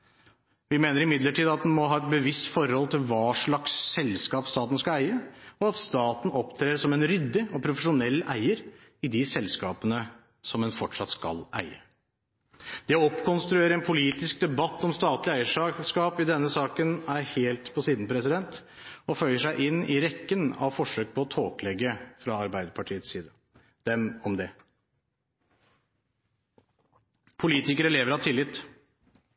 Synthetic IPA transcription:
ʋɪmeːnəɾɪmɪd̪ləʈʰiːd̪ɑt̪̚d̪ɛnmɔɦɑːɛt̪̚bəʋɪst̪fɔɾɔlt̪ʰɪlʋɑːʂɭɑksːɛlskɑːpst̪ɑːt̪n̩skɑlæɪəɔɑt̪st̪ɑːt̪n̩ʔɔpt̪ʰɾeːsɔmɛnɾʏd̪ːɪɔpʰɾʊfəʂʊnɛlːæ̰ɪəɾ | ɪd̪ɪsɛlskɑːpənə | sɔmɛnfɔʈʂɑt̪skɑ̰lʔæ̰ɪə̰ | d̪̥ɛɔɔpːkʰɔnst̪ɾʉeːɾəɛnpʰʊliːt̪ɪsk̚d̪ɛbɑt̪ːɔmst̪ɑːt̪lɪæɪəʂɑʂkɑːpɪd̪ɛnːəsɑːkənæɾheːlt̪pʰɔsiːd̪n̩pʰɾɛsɪd̪ɛnt̪ | ɔfœʏəʂæɪʔɪnːɪɾɛkːənɑ̰ʋfɔʂøːk̚pʰɔɔt̪ʰoːklɛɡːəfɾɑɑɾbæɪd̪əpʰɑʈʰiːət̪siːd̪ə | d̪̥ɛmɔmd̪ɛ | pʰʊliːt̪ɪkəɾəleːʋəɾɑt̪ʰɪlːɪt̪ː

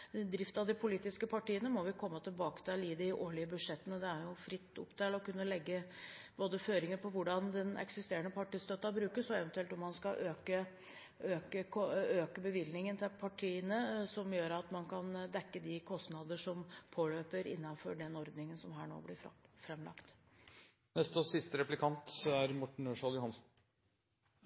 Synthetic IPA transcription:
d̪ɾɪft̪ɑd̪ɪpʰʊliːt̪ɪskəpʰɑʈiːənəmɔʋɪkʰɔmːət̪ʰɪlbɑːkə̥t̪ʰɪliːd̪ɪʔoːɭɪəbʉd̪ʂɛt̪ːənəd̪ɛæɾjʊfɾɪt̪ːʊ̰pt̪ʰelɔkʉnːəlɛɡːəboːd̪əføːɾɪŋəpʰɔʋʊɖɑnd̪ɛnɛ̰ksɪst̪eːəɳəpʰɑʈiːst̪œt̪ːɑbɾʉːkəʂɔɛʋɛnt̪ʉɛlt̪ɔmːɑnskɑʔøːkə | øːkəøːkəbəʋɪlnɪŋənt̪ʰɪlpʰɑʈʰiːənəsɔmjøːɾɑt̪mɑnkʰɑnd̪ɛkːəd̪ɪkʰɔst̪nɑd̪əʂɔmpʰoːløːpəɾɪ̰nːɑnfɔɖɛnɔɾd̪nɪŋənsɔmɦæːɳo̰ːblɪfɾɛmlɑ̰kt̪ | nɛst̪əsɪst̪əɾɛplɪkʰɑnt̪æɾmɔʈɳ̩øːʂɑljʊhɑnsn̩

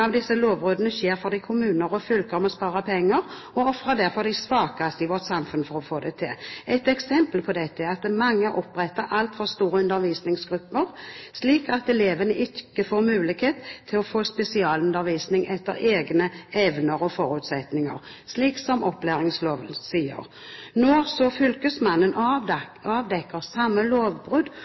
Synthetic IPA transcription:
ɑʋd̪ɪsːəloːʋʁoːd̪ənəçeːʁfɔʁd̪ɪkʰʊmʉːnəʁɔfʏlkəʁɔmɔspɑːʁəpʰɛŋːəʁ | ɔɔfɾəd̪æʁfɔʁd̪ɪsʋɑːkɑst̪ɪʋɔʁt̪sɑmfʉnfɔʁɔfoːd̪ɛt̪ʰɪlɛt̪ɛksɛmpəlpʰɔd̪ɛt̪ːəɑt̪mɑŋːəʔɔpːʁɛt̪ːəɾʔɑlt̪fɔʁst̪uːɾəʉnd̪əɾʋiːsnɪŋsɡʁʉpːəʁsliːkɑt̪ɛleːʋənəʔɪkəfoːʁmʉːlɪkheːt̪ʰːɪlɔfoːspɛsɪɑːlʉnd̪əɾʋiːsnɪŋʔɛt̪ːəɾeːɡnəɛʋnəɾɔfɔɾʉːt̪sɛt̪nɪŋə̰ʁ | ʂliːksɔmʔɔplæːʁɪŋsloːʋəsiːə̰ʁ | nɔsɔfʏlkəsmɑnːən | ɑːʋd̪ɛkːəʁsɑmːəloːʋbʁʉd̪

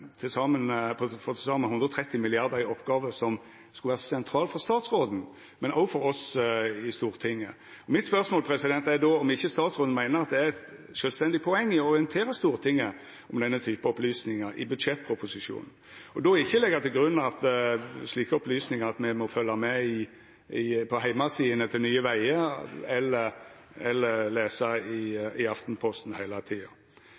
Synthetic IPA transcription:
t̪ʰɪlsɑːmənpʰɔfɔt̪ʰɪsɑːmɛhʉnd̪ɾɔt̪ʰɾɛt̪ːɪmɪlɪɑɾd̪əɾɪɔpːɡɑːʋəsɔm | skʉlʋæːʁəsɛnt̪ʰɾɑːlfɔʁst̪ɑːt̪sɾoːd̪n̩ | mɛnɔfɔɾɔsɪst̪uːɾt̪ʰɪŋːə | ɔmɪt̪spœɾsmoːlpʰɾɛsɪd̪ɛnt̪æd̪ɔɔmɪçːəst̪ɑːt̪sʁoːd̪n̩mæɪnəɾʁɑt̪̚d̪ɛæɾɛt̪ | ʃœːlst̪ɛnd̪ɪpʰɔɛŋːɪɔɔʁɪənt̪ʰeːɾəst̪uːɾt̪ʰɪŋːə | ɔmd̪ɛnːət̪ʰyːpəɔplyːsnɪŋəɾɪ̰bʉd̪ʂɛt̪̚ːpʰɾʊpʊsɪʂṵːnn̩ | ɔd̪ɔɪçːəlɛɡət̪ʰɪlɡɾʉnːɑt̪sliːkəɔplyːsnɪŋəɾɑt̪mɛmɔfœlːɑmɛɪ | ɪpʰɔhæɪmɑsiːənət̪ʰɪlnyːəʋæɪəɛlːəɾ | ɛlːəleːsɑɪɪɑft̪n̩pʰɔst̪n̩hæɪlət̪ʰiːɑ̰

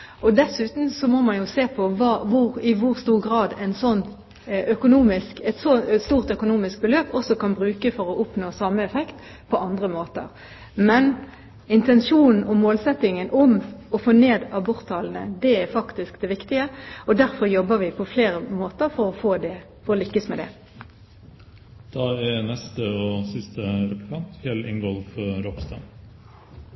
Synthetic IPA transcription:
ɔd̪ɛsʉːt̪n̩sɔmɔmɑnjʊseːpʰɔʋɑːʋʊɾɪʋʊɾst̪uːʁɡʁɑːd̪æɪnsɔnː | œkʊnuːmɪskɛt̪sɔst̪uːʁt̪œkʊnuːmɪsk̚bəløːpɔsɔkɑnbʁʉːkəfɔɾɔʔʊpnoːsɑməɛfɛkt̪ | pʰɔʔɑnd̪ʁəmoːt̪ə̰ɾ | mɛn | ɪnt̪ɛnʂuːnn̩ɔmoːlsɛt̪ɪŋənʔɔmɔfoːneːd̪ɑbʊʁt̪ʰːɑːln̩ə̰d̪ɛæɾfɑkt̪ɪskd̪ɛʋɪkt̪ɪəɔd̪æɾfɔɾjɔbːəɾʋɪpʰɔfleːɾəmoːt̪əɾfɔɾɔfoːd̪ɛ | fɔʁɔlʏkːəsmɛd̪ɛ̰ | d̪̥ɑːænɛst̪əosɪst̪əɾɛpʊɾkʰɑnt̪fɛlɪ̰ŋɡɔlfɾopst̪ɑ̰

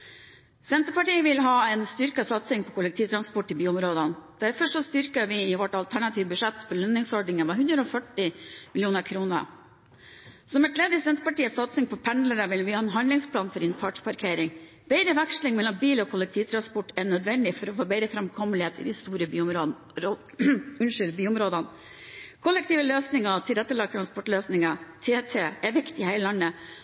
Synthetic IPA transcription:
sɛnt̪əpɑʈiːəʋɪlɦɑːɛnst̪ʏɾkɑsɑt̪sɪŋpʰɔkʰʊlɛk̚t̪ʰiːʋt̪ʰɾɑnspɔʈːɪbyːʊmɾoːd̪ənd̪̥æɾfɔʂɔst̪ʏɾkəʋɪɪʋɔʈɑlt̪ʰæɳɑt̪ʰiːʋəbʉʂɛt̪ːpʰɔlœnːɪŋsɔɖɳɪŋəʋɛɦʉnd̪ɾəɔːfœʈɪmɪljuːnəɾkʰɾuːnə̰ | sɔmɛt̪ʰleːd̪ɪsɛnt̪əpɑʈiːəsɑt̪sɪŋpʰɔpʰɛnləɾəʋɪlʋɪhɑːɛnɦɑnlɪŋspʰlɑːnfɔɾɪnfɑːʈpɑɾkʰeːɾɪŋ | b̥ɛɪɾəʋækʂlɪŋmɛlːɔmbiːlɔkʰʊlːɛk̚t̪ʰiːʋt̪ʰɾɑnspɔʈːɛɳœd̪ʋɛnd̪ɪfɔɾɔfoːbɛɪɾəfɾɑmkʰɔməlɪeːt̪ɪ̰ːd̪ɪst̪uːɾəbyːʊmɾo | ʉnʂʏlbyːʊmɾoːd̪ɑn | kʰɔlɛkt̪iːʋəløːsnɪŋɑt̪ʰɪɾɛt̪ːəɭɑɡ̚t̪ʰɾɑnspɔʈløːsnɪŋɑt̪ʰeːt̪ʰeːɛʋɪkt̪ɪhæɪləlɑnːə

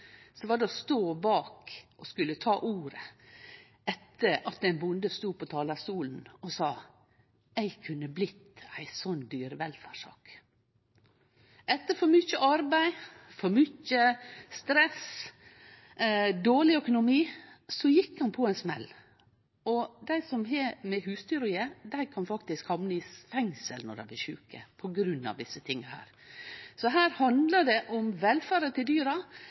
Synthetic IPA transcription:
sɔʋɑːɖɛɔst̪oːbɑːkʔɔskʉlət̪ʰɑːʔuːɾə | ʔɛt̪ʰːəɾɑt̪̚d̪ɛnbʊnd̪əst̪uːpʰɔt̪ʰɑːlɑst̪uːln̩ɔsɑː | æɪkʰʉnːəblɪt̪æɪsɔnd̪yːɾəʋɛlfæɾʂɑ̰ːk | ʔɛt̪ːəɾfɔɾmʏçəʔɑɾbæɪfɔɾmʏçəst̪ɾɛs | d̪oːɭɪœkʊnʊmiːsɔjɪkːhɑnpʰɔɛɪnsmɛ̰lː | ɔd̪æɪsɔmɦɛmɛhʉːst̪yːɾəjed̪æɪkʰɑnfɑkt̪ɪskhɑmnəɪsfɛŋsəlnɔ̰ɾd̪æɪblɪɾʃʉːkə̰pʰɔɡɾʉnːɑ̰ʋd̪ɪsːət̪ʰɪŋːəhæ̰ːɾ | sɔɦæːɾhɑnd̪ləɖɛʔɔmʋɛlfæːɾət̪ɪld̪yːɾɑ

